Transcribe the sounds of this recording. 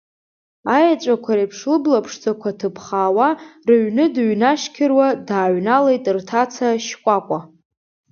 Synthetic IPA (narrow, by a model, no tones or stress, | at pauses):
ajat͡ʃʷʼakʷʰaɾejpʰʂlɨblapʰʂt͡sʼakʷʰatʰɨpʰχaːwarɨɥnɨdɥnaʃkʲʰɪrwadaːɥnalejtʼrtʰat͡sʰaʃkʷʼakʷʼa